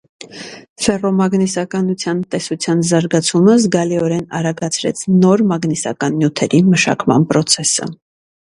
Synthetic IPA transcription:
fɛrɔmɑɡnisɑkɑnut͡sʰjɑnt̪ɛsut͡sʰjɑnzɑɾɡɑt͡sʰuməzɡɑliɔɾɛnɑ̰ɾɑɡɑt͡sʰɾɛ̰t͡sʰnɔɾmɑɡnisɑ̰kɑnːjut̪ʰɛɾiməʃɑ̰kmɑ̰npɾɔt͡sʰɛsə̰

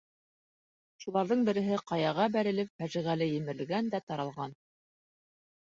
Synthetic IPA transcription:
ʃulˠɑɾðɤɴbɘ̆ɾɘ̆ɦɘqɑjɑʁɑbæɾɘ̆lɘpfæʒĭʁælɘjɘ̆mɘ̆ɾlɡænd̪æt̪ɑɾɑlˠʁɑn

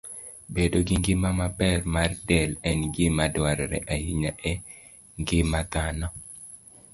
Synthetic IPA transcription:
bedoɡɪŋɡɪmamapɛrmardɛlɛnɡɪmadwaɾɛɾɛ̰ʔajiɲaʔɛ | ŋɡɪmat̪anɔ

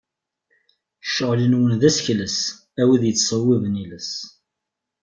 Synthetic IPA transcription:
ʃəʁlənwənðæsçləs | æwiðjət͡sːsˤəwːivəniləs

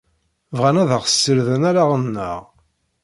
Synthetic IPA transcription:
vʁænæðəʁsːəɾðənæɾaʁənːə̰ʁ

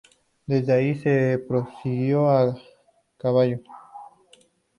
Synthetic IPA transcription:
d̪ed͡ʒaisepɾosiɣjoa | kaβajo

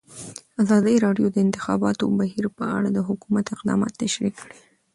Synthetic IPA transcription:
azɑd̪əɾɑɖjod̪əɪnt̪ɪ̥xɑbɑt̪o̰baɦiɾpəa̰ɽad̪əɦʊkumat̪ɪqd̪ɑ̰mɑ̰t̪ːaʃɾikːɽi

